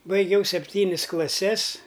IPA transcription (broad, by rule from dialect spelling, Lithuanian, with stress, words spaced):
bɐɪˈɡʲɛʊ sʲɛpʲˈtʲiːnʲɪs klˠɐˈsʲɛs